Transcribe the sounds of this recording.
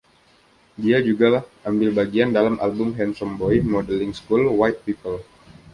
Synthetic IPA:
diad͡ʒuɡalahʔambɪlbaɡiandalamʔa̰lbʊmɦɛnsɔmbɔjmɔdɛlɪŋskulwajt̪̚pipəl

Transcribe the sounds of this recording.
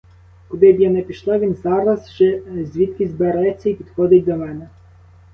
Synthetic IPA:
kɔd̪ɪbjɛnɛpʲiʃlˠɑʋʲinzɑɾɐzʒɛzʲʋʲit̪kʲizbeɾɛt͡sʲːɐipʲid̪xɔd̪ɪtʲd̪ɔmɛnɛ

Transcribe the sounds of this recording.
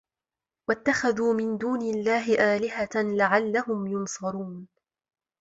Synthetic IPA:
wat̪ːaxaðuːmɪnd̪uːnɪlːaːɦɪʔaːlɪɦalaʕalːahʊmjʊnsˤɑɾuːn

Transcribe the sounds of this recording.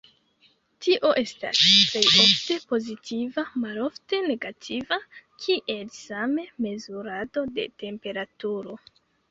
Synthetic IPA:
tiʔo̞ʔe̞sta̰sple̞jo̞fte̞po̞zitʰivamalo̞fte̞ne̞ɡatʰivakʰiʔe̞lsame̞me̞zuɾado̞de̞̰te̞mpe̞ɾatuɾo̞

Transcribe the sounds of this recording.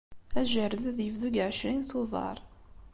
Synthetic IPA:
æʒəɾəðæðjəvðuɡʕʃɾinθʊðˤɑ̰ɾˤ

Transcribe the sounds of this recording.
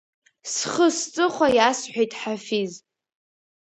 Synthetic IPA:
sχəst͡sʼɨχʷajasħʷᶣejtʼħafiz

